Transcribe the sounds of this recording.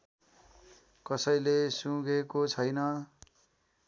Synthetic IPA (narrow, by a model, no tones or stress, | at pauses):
kʌsʌjlesũɡekot͡sʰʌjnʌ